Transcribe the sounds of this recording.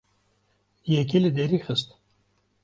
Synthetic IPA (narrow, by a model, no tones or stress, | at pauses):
jek̬ilid̪eɾixəst̪